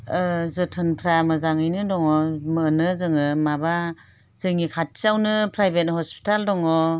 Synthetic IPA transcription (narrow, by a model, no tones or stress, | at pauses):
zɯtʰɯnpʰɾamɯzaŋɯjnɯdɔŋɔmɯnɯzɯŋɯmaba | zɯŋikʰat̚sawnɯpʰɾajbet̚hɔspʰi̥taldɔŋɔ